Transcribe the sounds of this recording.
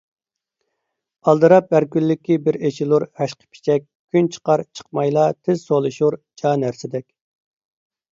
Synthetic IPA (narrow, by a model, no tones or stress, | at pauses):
ɑlˠd̪ɨɾɑp̚æɾkʲylːɪkʲːibɪɾet͡ʃʰilˠuɾhɛʃqʰə̥pʰi̥t͡ʃʰɛk̚ʲkʲʰːynt͡ʃʰə̥qɑɾt͡ʃʰə̥q̚mɑjlˠɑt̪ʰɪz̥solˠɨʃuɾd͡ʒɑːnæɾsɪd̪ɛkʲ